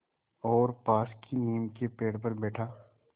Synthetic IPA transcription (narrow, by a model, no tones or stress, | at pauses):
ɔːɾpaːskiniːmkepeːɽpɐɾbɛːʈʰaː